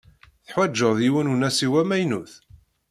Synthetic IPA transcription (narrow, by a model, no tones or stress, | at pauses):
θħwæd͡ʒːəðˤjiwænunæsiwæmæjnuθ